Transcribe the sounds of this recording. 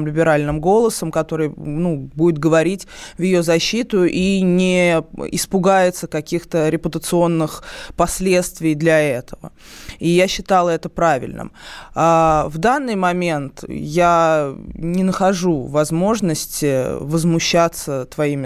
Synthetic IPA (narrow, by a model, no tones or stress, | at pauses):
mlʲɪbʲɪɾalʲnɨmɡo̞lˠəsəmkɐt̪o̞ɾɨjnubudʲɪt̪̚ɡəvɐɾʲitʲvjɪjozɐɕːit̪ʊʔinʲɪɪspʊɡajɪt̪səkɐkʲixt̪əɾʲɪpʊt̪ət̪sɨo̞nːɨxpɐsʲlʲe̞t̪st̪vʲɪjd̪lʲɐɛt̪əvə̰ | ijaɕːɪt̪ɑlˠəɛt̪əpɾavʲɪ̰lʲnɨ̰mavd̪anːɨjmɐmʲent̪ja | nʲɪnəxɐʐuvɐzmo̞ʐnəsʲtʲɪvəzmʊɕːat̪sət̪vɐimʲɪ